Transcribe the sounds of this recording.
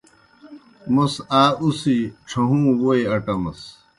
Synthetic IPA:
mɐsaːusiʈ͡ʂʰɐɦũːwoeɐʈɐmɐ̰s

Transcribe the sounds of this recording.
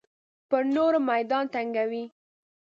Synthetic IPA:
pəɾnoɾmajd̪ɑnt̪aŋɡawi

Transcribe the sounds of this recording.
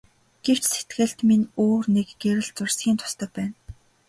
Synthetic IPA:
ɡ̥ew̥t͡ɕset̪ɡɘ̆ɬt̪minoːrnekɡeɾɘ̆ɮt͡sʊrsɡʲiːnt̪ʰʊ̥st̪œ̆ːpæːn

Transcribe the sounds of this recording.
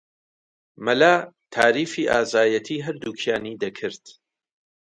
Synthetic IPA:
mɐlaː | t̪ʰaːɾiːfiːʔa̰ːzaːjɐt̪ʰiːɦɐɾd̪uːkʰjaːniːd̪ɐkʰɨɾt̪

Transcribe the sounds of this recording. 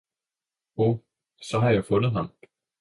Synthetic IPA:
o | sɒ̽ɦɑ̈jɑ̈ɪfɔ̽nð̩ˠɦɑ̈m

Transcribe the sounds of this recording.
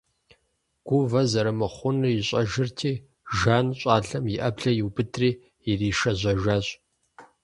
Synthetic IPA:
ɡ̥ʷʊvɐzɐɾɐmɐχʷʊnɨjɪɕʼɐʒɪrtʰiː | ʒaːnɕʼaːɮɐmjɪʔɐbɮɐjɪwbɨtʰriː | jɪriːʃɐʑʷɐʒaːɕʼ

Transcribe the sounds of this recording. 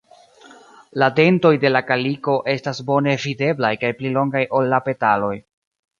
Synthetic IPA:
lade̞nto̞jde̞lakaliko̞ʔe̞stasbo̞ne̞vide̞blajkajplilo̞ŋɡajʔo̞lːape̞talo̞j

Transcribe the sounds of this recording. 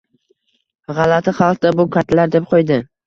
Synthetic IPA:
ʁɑlat̪ʰɪχɑlˠqd̪abʊkʰat̪ʰlaɾd̪ep̚qʰojd̪ɪ

